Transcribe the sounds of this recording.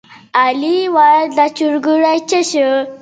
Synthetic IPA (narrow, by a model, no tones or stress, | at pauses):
aliwadat͡ɕuɾɡuɾajt͡ɕəɕə